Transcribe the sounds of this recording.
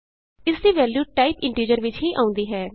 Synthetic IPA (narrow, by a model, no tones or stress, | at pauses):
ɪsd̪iːʋɛːljuːʈaːɪpɪ̃ɳʈiːd͡ʒəɾʋɪt͡ʃɦiːʔaːʊ̃nd̪iːɦɛː